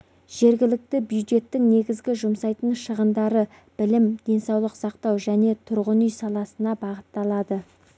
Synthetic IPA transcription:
ʒ̥e̞ɾɡʲɪlɪk̚t̪ɪbjud̪ʒe̞t̪ːɪŋne̞ɡʲɪzɡʲɪʒʊmsɑjt̪əɴʃəʁənd̪ɑɾə | b̥ɪlɪmd̪̥e̞nsɑwlˠəqsɑqt̪ɑwʒæne̞t̪ʰʊɾʁənʏjsɑlˠɑsənɑbɑʁət̪ːɑlˠɑd̪ə

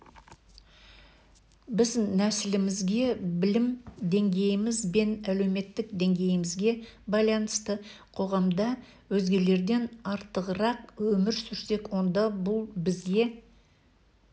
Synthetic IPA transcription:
bɪznæsɪlɪmɪzɡʲe̞bɪlɪmd̪e̞ŋɡʲe̞jɪmɪzbe̞næle̞wme̞t̪ːɪk̚d̪e̞ŋɡʲe̞jɪmɪzɡʲe̞bɑjlˠɑnəst̪əqʰo̞ʁɑmd̪ɑ | wɵzɡʲe̞le̞ɾd̪e̞nɑɾt̪əʁəɾɑq̚wɵmɪɾsʏɾse̞kwo̞nd̪ɑbʊlˠbɪzɡʲe̞

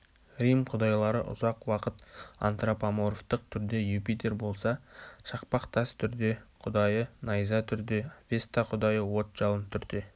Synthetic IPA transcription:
rʲijmqʰʊd̪ɑjlˠɑɾəʔʊ̰zɑqwɑqət̪a̰nt̪rapamoɾoft̪əq̚t̪ʰʏɾd̪e̞jupit̪e̞ɾbo̞lˠsɑʃɑqpɑqt̪ʰɑst̪ʰʏɾd̪e̞qʰʊd̪ɑjənɑjzɑt̪ʰʏɾd̪e̞vʲe̞st̪ɑqʰʊd̪ɑjəwo̞t̪ʒ̥ɑlˠənt̪ʰʏɾd̪e̞

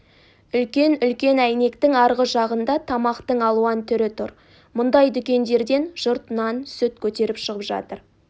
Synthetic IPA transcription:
ʏlkʲe̞nʏlkʲe̞næjne̞kt̪ɪŋɑɾʁəʒɑʁənd̪ɑt̪ʰɑmɑqt̪əɴɑlˠuɑnt̪ʰʏɾɪt̪ʰʊɾ | mʊnd̪ɑjd̪ʏkʲe̞nd̪e̞ɾd̪e̞nʒ̥ʊɾt̪ənɑnsɵt̪̚kʲʰɵt̪e̞ɾɪpʃəʁəpʒɑ̰t̪əɾ

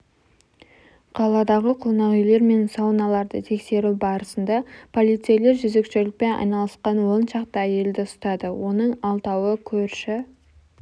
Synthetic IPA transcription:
qʰɑlˠɑd̪ɑʁəqʰo̞nɑʁɪjle̞ɾme̞nsɑwnɑlˠɑɾd̪ət̪ʰe̞kse̞ɾubɑɾəsənd̪ɑpʰo̞lˠijt̪sijele̞ɾʒʏze̞kʃʏlɪk̚pe̞nɑ̰jnɑlˠəsqɑnwonʃɑqt̪əæje̞ld̪ɪʊst̪ɑd̪əwo̞nəɴɑlˠt̪ɑwəkʲʰɵɾʃɪ

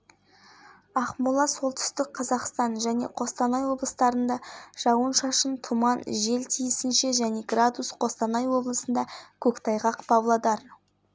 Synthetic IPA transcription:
ɑχmulˠɑso̞lˠt̪ʰʏ̥st̪ɪk̚qʰɑzɑqst̪ɑnʒæne̞̰qʰo̞st̪ɑnɑjwo̞blˠəst̪ɑɾənd̪ɑʒ̥ɑwənʃɑʃənt̪ʰumɑnʒe̞lt̪ʰijɪsɪnʃe̞ʒæne̞ɡrad̪usqʰo̞st̪ɑnɑjwo̞blˠəsənd̪ɑkʲʰɵkt̪ʰɑjʁɑqbɑblˠɑd̪ɑɾ

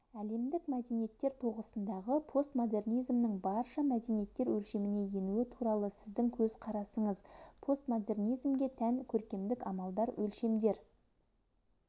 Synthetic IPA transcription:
æle̞md̪ɪkmæd̪e̞nije̞t̪ːe̞ɾt̪ʰoʁəsənd̪ɑʁəpʰo̞st̪mo̞d̪e̞rnijzmnəɴbɑɾʃɑmæd̪enijet̪ːe̞ɾwɵlʃe̞mɪne̞je̞nuɪt̪ʰuɾɑlˠəsɪzd̪ɪŋkʲʰɵz̥qʰɑɾɑsəɴəzpʰo̞st̪mo̞d̪e̞rnijzmɡʲe̞t̪ʰæŋkʲʰɵɾkʲe̞md̪ɪkɑmɑlˠd̪ɑɾwʔɵlʃe̞md̪e̞ɾ

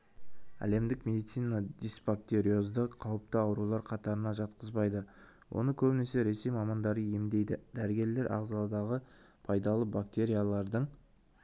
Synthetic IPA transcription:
æ̰le̞md̪ɪkmʲe̞d̪ijt̪sijnad̪ʲisbak̚t̪ʲe̞ɾʲijo̞zd̪əqʰɑwəp̚t̪əɑwɾulˠɑɾqʰɑt̪ɑɾənɑʒɑt̪qʰəzbɑjd̪ə | wʔo̞̰nəkʲʰɵbɪne̞se̞ɾe̞se̞jmɑmɑnd̪ɑɾəjemd̪e̞jd̪ɪd̪æɾɪɡʲe̞ɾle̞ɾʔɑ̰ʁzɑlˠɑd̪ɑʁəpʰɑjd̪ɑlˠəbak̚t̪e̞ɾʲijalˠɑɾd̪əɴ

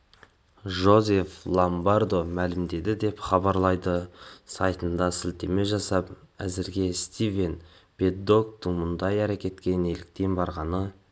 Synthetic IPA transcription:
ʒo̞ze̞flˠombard̪o̞mælɪmd̪e̞d̪ɪd̪e̞pχɑbɑɾlˠɑjd̪əsɑ̰jt̪ənd̪ɑsɪlt̪e̞me̞ʒɑsɑp̚ | æ̰zɪɾɡʲe̞st̪ʲive̞n | b̥ʲe̞d̪ːo̞kt̪ɪŋmʊnd̪ɑjæɾekʲe̞t̪kʲe̞ne̞lɪk̚t̪e̞nbɑɾʁɑnə

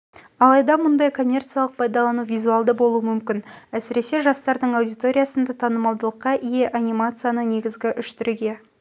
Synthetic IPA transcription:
ɑlˠɑjd̪ɑmʊnd̪ɑjkʰo̞mʲːe̞rt̪sɨjalˠəq̚pʰɑjd̪ɑlˠɑnuvʲijzuɑlˠd̪əbo̞lˠuəmʏmkʲɪnæsɪɾe̞se̞ʒɑst̪ɑɾd̪əɴawd̪ijt̪o̞ɾʲijasənd̪ɑt̪ʰɑnəmɑlˠd̪əlˠəqːɑʔije̞ʔanʲijmat̪sɨjanəne̞ɡʲɪzɡʲɪʔʏʃt̪ɪɾuɡʲe̞

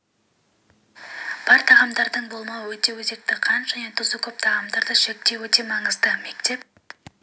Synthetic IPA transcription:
b̥ɑɾt̪ʰɑʁɑmd̪ɑɾd̪əɴbo̞lˠmɑwəwɵt̪e̞wɵze̞k̚t̪ɪqʰɑnʒ̥æne̞t̪ʰʊzəkʲʰɵp̚t̪ʰɑʁɑmd̪ɑɾd̪əʃek̚t̪e̞wɵt̪e̞mɑɴəzd̪əme̞kt̪e̞p̚

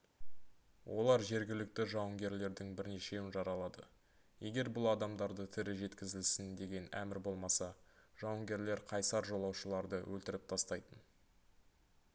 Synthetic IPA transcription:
wʔo̞lˠɑɾʒe̞ɾɡʲɪlɪk̚t̪ɪʒɑwəŋɡʲe̞ɾle̞ɾd̪ɪŋbɪɾne̞ʃe̞wɪnʒɑɾɑlˠɑd̪ə | je̞ɡʲe̞ɾbʊlˠɑd̪ɑmd̪ɑɾd̪ət̪ʰɪɾɪʒe̞t̪kʲɪzɪlsɪnd̪e̞ɡʲe̞næ̰mɪɾbo̞lˠmɑsɑʒ̥ɑwəŋɡʲe̞ɾle̞ɾqʰɑjsɑɾʒo̞lˠɑwʃəlˠɑɾd̪əwʔɵlt̪ɪɾɪp̚t̪ʰɑst̪ɑjt̪ən

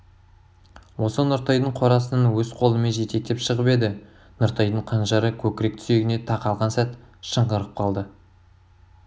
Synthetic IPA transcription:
wo̞sənʊɾt̪ɑjd̪əɴqʰo̞ɾɑsənɑnwɵz̥qʰo̞lˠəmeʒe̞t̪e̞k̚t̪epʃəʁəpe̞d̪ɪ | nʊɾt̪ɑjd̪əɴqʰɑnʒɑɾəkʲʰɵkʲɪɾe̞k̚t̪ʰʏ̥se̞ɡʲɪne̞t̪ʰɑqɑlˠʁɑnsæt̪ʃəɴʁəɾəp̚qʰɑlˠd̪ə

